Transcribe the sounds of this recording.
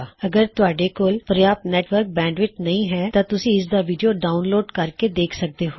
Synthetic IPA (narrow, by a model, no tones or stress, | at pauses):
əɡəɾt̪ʊaːɖeːkoːlpɾəjaːt̪nɛːʈʋəɾk̚bɛ̃ːɳɖʋɪt͡ʃnəĩːɦɛːt̪ãːt̪ʊsĩːɪsd̪aːʋiːɖijoːɖaːʊnloːɖkəɾkeːd̪eːkʰsək̚d̪eːɦo